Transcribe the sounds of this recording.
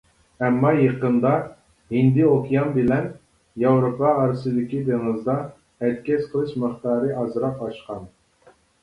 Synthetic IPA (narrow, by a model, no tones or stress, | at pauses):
ɛmːɑjəqənd̪ɑ | hind̪ɪokʲʰijɑnbɪlɛn | jɑwɾopʰɑːɾɨsɨd̪ɪkʲid̪eŋɨzd̪ɑ | ɛt̪̚kʲɛsqʰəlˠɨʃmɨχt̪ɑːɾɨʔɑzɨɾɑqɑʃqɑn